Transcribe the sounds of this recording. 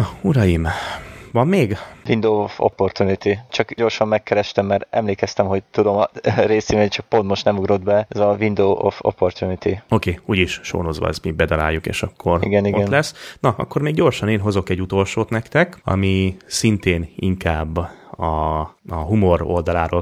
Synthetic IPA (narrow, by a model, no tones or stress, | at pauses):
uɾɒjimvɒmːeːɡvind̪oːofo̰pːo̞rt̪unit̪it͡ʃɒkɟo̞rʃɒmːɛkːɛɾɛʃt̪ɛmːɛɾɛmleːkɛst̪ɛmɦo̞ɟ̚t̪ud̪o̞mɾeːsimeːt͡ʃɒk̚po̞nt̪moʃt̪nɛmuɡɾo̞d̪bɛɛzɒvind̪oːʔofo̰pːo̞rt̪junit̪iokeːuːɟiʃʃo̰ːnozʋɒ̰ɛ̰zmibɛd̪ɒla̰ːjːukḛːʃɒkʰːo̞rḭɡɛniɡʔoɛnlɛsːnɒɒ̰kːo̞rmeːɡɟo̞rʃɒneːnɦo̞zo̞kɛɟːut̪o̞lʃoːt̪nɛkt̪ɛkɒ̰misint̪eːnḭŋkaːbːɒ | ɦumo̞ro̞̰ld̪ɒlaːɾoː